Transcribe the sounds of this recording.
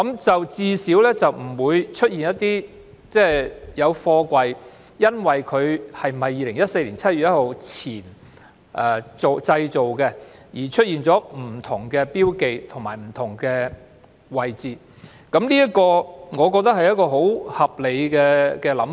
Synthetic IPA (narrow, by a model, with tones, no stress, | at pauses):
kɐ˨˥mt͡sɐ˨wt͡siː˧siː˨˥wlɛː˥t͡sɐ˨wm̩˨˩wuː˨˧jt͡ʃʰɵ˥t̚jiː˨njɐ˥t̚t̪iː˥ | t͡sɛː˥˩jɐ˨˧wfɔː˧kʷɐ˧j | jɐ˥nwɐ˨˩jkʰɵ˨˧ɥhɐ˨jmɐ˨jːiː˨˧lɪ˨˩ŋjɐ˥t̚se˧jliː˨˩nt͡sʰɐ˥t̚y˨t̚jɐ˥ho˨˧wt͡sʰiː˨˩n | ʔɛ˨˩t͡so˨wt͡sɐ˧jt͡so˨wkɛ˧jiː˨˩t͡ʃʰɵ˥t̚jiː˨nt͡sɔː˨˥m̩˨˩t̪ʰʊ˨˩ŋkɛː˧piː˥wke˨jt̪ʰʊ˨˩ŋmaː˨˩jm̩˨˩t̪ʰʊ˨˩ŋkɛː˧ | wɐ˨jt͡siː˨ | kɐ˨˥mliː˥ɐ˥kɔː˧ŋɔː˨˧kɔ˧k̚t̪ɐ˥k̚hɐ˨jɐ˥t̚kɔː˧ɦo˨˥whɐ˨p̚le˨˧jkɛː˧kɛː˧lɐ˨˥mf